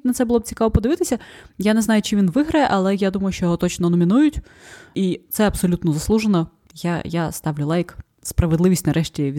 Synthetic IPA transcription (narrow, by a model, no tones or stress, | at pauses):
nɐt̪sɛbʊlˠɔb̚t͡sʲi̥kaʋɔpɔd̪ɪʋɪt̪ɪsʲɐjanɛznajʊt͡ʃɪʋʲinʋɪɦɾɐjɛʔɐlˠɛjad̪umɐjʊʃt͡ʃɔjɔɦɔt̪ɔt͡ʃnɔnɔmʲinujʊtʲ | it̪sɛɐbsɔlʲut̪nɔzɐslˠuʒenɔ | jajast̪ɑʋlʲʊlˠajk | spɾɐʋed̪lˠɪʋʲisʲtʲnɐɾɛʃtʲiʋʲ